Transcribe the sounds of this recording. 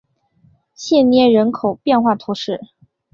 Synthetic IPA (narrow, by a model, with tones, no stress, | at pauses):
ɕjɛ˥˩njɛ˥˩ɻə˧˥nkʰo˨˩ʊpjɛ˥˧nxwa˥˩t̪ʰu˧˥ʂɻ̩˥˩